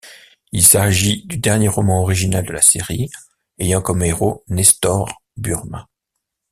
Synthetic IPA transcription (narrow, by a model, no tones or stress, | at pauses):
ilsaʒid̪yd̪ɛʁnjeʁɔmɑ̃ɔʁiʒinald̪əlaseʁi | ejɑ̃kɔmeʁonɛst̪ɔʁ | byʁmã